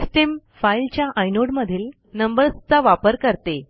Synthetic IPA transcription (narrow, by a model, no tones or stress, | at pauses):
sʈem | failt͡ɕjaʔajnoɽməd̪ʱiːl | nəmbəɾst͡saʋapəɾkəɾt̪e